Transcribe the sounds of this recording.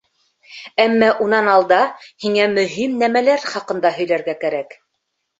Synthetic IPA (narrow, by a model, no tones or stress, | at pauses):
æmːæʔunɑnɑlˠd̪ɑhiŋæmɵ̆ɦimnæmælæɾχɑqɤ̆nd̪ɑɦɵ̆jlæɾɡækæɾæk